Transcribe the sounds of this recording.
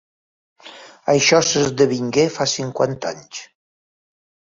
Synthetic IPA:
əjʃɔsəzd̪əβiŋɡefasiŋkwa̰nt̪aɲt͡ʃ

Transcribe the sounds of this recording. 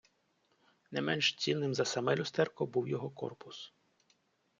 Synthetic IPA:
nɛmɛnʃt͡sʲinːɪmzɐsɐmɛlʲʊst̪ɛrkɔbuwjɔɦɔkɔ̰rpʊs

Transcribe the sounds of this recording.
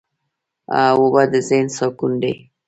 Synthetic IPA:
a̰wobad̪əzensɔkunɖe

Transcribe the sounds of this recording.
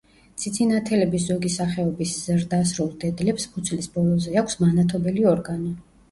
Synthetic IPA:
t̪sʰit̪sʰinat̪ʰɛlɛbiszɔɡisaχɛɔbiszɾd̪asɾulˠd̪ɛd̪lɛpspʰut̪sʰlisbɔlˠɔzɛakʰʷsmanat̪ʰɔbɛliɔɾɡanɔ

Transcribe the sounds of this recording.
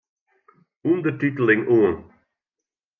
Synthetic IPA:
ũnd̪ətitl̩ˠɪ̃ŋuːən

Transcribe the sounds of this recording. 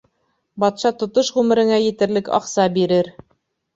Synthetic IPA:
bɑt̪ʃɑt̪ŏt̪oʃʁʉmɘ̆ɾɘ̆ŋæjɘ̆t̪ɘ̆ɾlɘkɑ̰qsɑbiɾɘɾ

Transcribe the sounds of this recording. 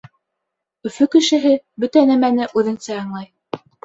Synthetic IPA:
ɵ̆fɵkɘ̆ʃɘ̆ɦɘbɵt̪ænæmænɘʔʉðɘ̆nsæɑɴlˠɑj

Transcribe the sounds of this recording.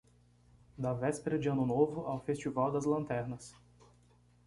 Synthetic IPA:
d̪ɐvɛspeɾɐd͡ʒiɐ̃nʊnovʊʔawfest͡ʃivawd̪ɐzlɐ̃nt̪ɛɾnɐs

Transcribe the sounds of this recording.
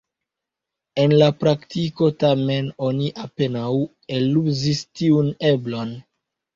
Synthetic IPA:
e̞nlapɾaktiko̞tame̞no̞niʔape̞naw | eluzistiune̞blo̞n

